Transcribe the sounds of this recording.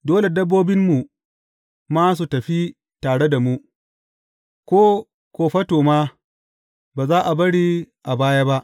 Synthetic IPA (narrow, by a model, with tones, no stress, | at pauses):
doː˦le˨dɐ˦bːoː˦bɪ˦mːu˨ | maː˦s̬u˨tɐ˨ɸi˦ | taː˨ɽe˦da˨mu˦ | kʷoː˦ | kʷoː˨ɸɐ˦toː˨maː˦ | baː˨zaː˦ʔa˨bɐ˦ɽiː˦ʔa˨baː˦ja˦ba˦ʔ